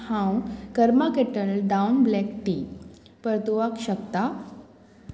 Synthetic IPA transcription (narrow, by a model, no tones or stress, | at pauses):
ãw̃kəɾmakeʈəlɖaunblɛkʈi | pəɾt̪oʋakɕəkt̪a